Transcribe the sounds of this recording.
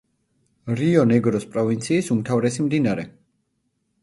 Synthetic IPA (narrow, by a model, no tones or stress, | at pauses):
ɾiɔnɛɡɾɔspʼɾɔvint̪sʰiːsumt̪ʰavɾɛsimd̪inaɾɛ